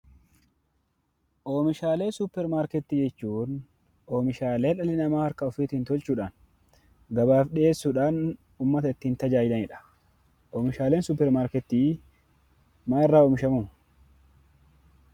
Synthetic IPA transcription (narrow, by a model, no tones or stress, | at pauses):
ʔoːmɪʃaːle̞ːsʊpːɛɾmaːɾkɛt̪ːɪd͡ʒɛt͡ʃːuːn | ʔo̞ːmɪʃaːleːᶑɐlɪnɐmaːhɐɾkɐɔfiːt̪ɪnt̪ɔlt͡ʃuːᶑaːn | ɡɐbaːfᶑe̞ːsːʊᶑaːn | ʊmːɐt̪ɐɪt̪ːɪːnt̪ɐd͡ʒaːjɪd̪ɐnɛᶑɐ̥ | ʔoːmɪʃaːleːnsʊpːɛɾmaːɾkɛt̪ːɪ | maːɪrːaːoːmɪʃɐmuː